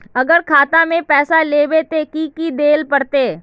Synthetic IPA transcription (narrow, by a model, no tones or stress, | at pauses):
ɐɡəɾkʰaːt̪ãmẽpɛːsaleːbet̪ekiːkid̪eːlpɐɽt̪eː